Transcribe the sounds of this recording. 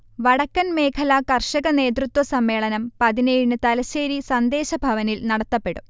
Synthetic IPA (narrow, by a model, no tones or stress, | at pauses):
ʋɐɽɐkːɐnme̞ːkʰɐlɐkɐrʂɐɣɐne̞ːt̪̬rut̪wɐsɐmːe̞ːɭɐnɐmpɐðinejiɳɨt̪ɐlɐɕeːɾisɐnd̪e̞ːɕɐbʱɐʋɐnilnɐɽɐt̪ːɐpːe̞ɽu